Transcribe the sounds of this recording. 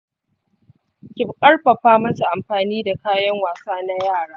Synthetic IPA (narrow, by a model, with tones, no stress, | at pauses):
kʲɪ˨bkʼɐ˦rɸɐ˨ɸaː˦mɐ˦su˨ʔa˨mɸaː˨niː˦da˨kaː˦jɐ˦ŋwaː˨saː˦na˦jaː˦˨ɽaː˦